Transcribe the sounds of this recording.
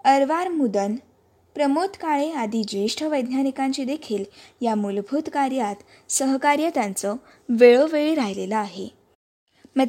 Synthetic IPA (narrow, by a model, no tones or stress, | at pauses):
əɾʋaɾmud̪ən | pɾəmot̪kaɭead̪id͡ʑeʂʈʰəʋəjd̪ʱnanikaɲt͡ɕiːd̪ekʰiːljamulbʱut̪kaɾjat̪ | səɦkaɾjət̪ant͡sə | ʋeɭoʋeɭiɾaɦileləaɦe | mə